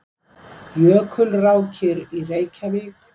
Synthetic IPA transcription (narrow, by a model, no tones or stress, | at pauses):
jœːkʰʏlrawcʰɪɾireːjcʰaβɪk